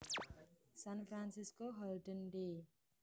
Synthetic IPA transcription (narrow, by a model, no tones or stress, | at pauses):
sanpʰɾansiskoɦʌlʈənɖe